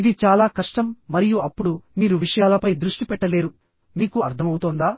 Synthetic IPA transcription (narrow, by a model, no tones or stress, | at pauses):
id̪it͡ʃaːlaːkɐʂʈɐmːɐɾijuɐpːuɽumiːɾuʋiʂɐjaːlɐpɐjd̪ɾuʂʈipɛʈːɐle̞ːɾu | miːkuɐɾt̪ʰɐmɐwt̪oːnd̪aː